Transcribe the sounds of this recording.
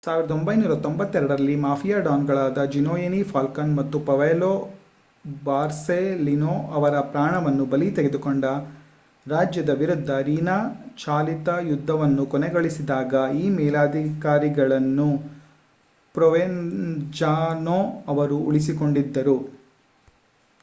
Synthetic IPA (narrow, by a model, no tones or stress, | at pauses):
saːʋiɾɐd̪ombɐjnuːɾɐt̪ombɐt̪ːɛɾɐɽɐɾɐlːimaːpʰijaːɖaːŋɡɐɭaːd̪ɐd͡ʒinoːjenipʰaːlkɐnmɐt̪ːupɐʋeloː | baːɾselinoːɐʋɐɾɐpɾaːɳɐʋɐnːubɐlit̪eɡed̪ukoɳɖɐ | ɾaːd͡ʒjɐd̪ɐʋiɾud̪ʱːɐɾiːnaːt͡ʃaːlit̪ɐjud̪ʱːɐʋɐnːukɔnɛɡoɭisid̪aːɡɐiːmɛːlaːd̪ʱikaːɾiɡɐɭɐnːu | pɾɔʋend͡ʒaːnoːɐʋɐɾuuɭisiko̞ɳɖid̪ːɐɾu